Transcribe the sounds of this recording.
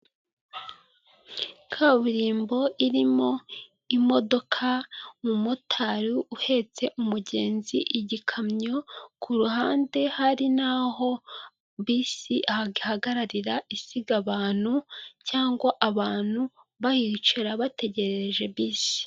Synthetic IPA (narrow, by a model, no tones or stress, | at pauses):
kʰaβuɾiːmbo̞ʔiɾimo̞ | imo̞do̞kʰamumutʰaɾiuhe̞t͡se̞ʔumuɟe̞ːnziʔiɟikʰamɲo̞kʰuɾuɦaːnde̞haɾinaho̞ | βisiʔahaɡihaɡaɾaɾiɾaʔisiɡaβaːn̥hucaːŋɡwaʔaβaːn̥hu | βajit͡ʃeɾaβate̞ɟe̞ɾeʒe̞βiːsi̥